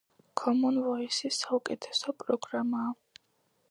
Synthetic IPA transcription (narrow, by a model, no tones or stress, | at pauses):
kʰɔmɔnvɔisisaukʼɛt̪ʰɛ̥sɔpʼɾɔɡɾamaː